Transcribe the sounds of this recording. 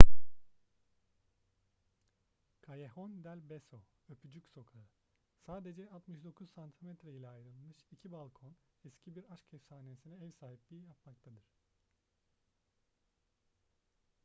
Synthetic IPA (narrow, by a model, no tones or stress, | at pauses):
kʰajehond̪ælʲbesoøpʰyd͡ʒycso̞kʰaɯ | saːd̪e̞d͡ʒɛat̪mɯʃd̪o̞kʰuzsant̪ʰimɛt̪ɾeilʲɛajɾɯlˠmɯʃicʰibalˠkʰo̞nɛscʰibiɾaʃcʰɛfsaːnesinɛɛvsaːɦiplʲijijapmak̚t̪ʰad̪ɯɾ̥